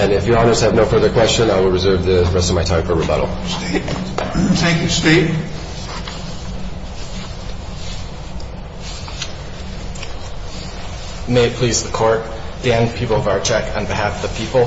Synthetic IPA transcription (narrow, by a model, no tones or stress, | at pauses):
ɨ̃nɪfjə˞ɑnə˞z̥əvnoʊfɜ˞ðə˞kʰw̥ɛst͡ʃə̃naɪwɪlˠɹɨzɜ˞vðɪɹɛstʌvmaɪtʰãɪ̃ɱfə˞ɹəbʌ̰ɾl̩ˠ | θæ̃ŋkjstet̚ | meɪpʰl̥izðəkʰɔɹt̚ | d̥æ̃npʰipl̩ˠʌvaʊə˞t͡ʃʰɛkʰə̰̃nbɪɦæfðəpʰipl̩ˠ